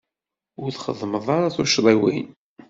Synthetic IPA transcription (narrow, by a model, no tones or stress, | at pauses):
ʊɾθχə̰ðˤməðˤɑɾaθʊʃðˤiwḭn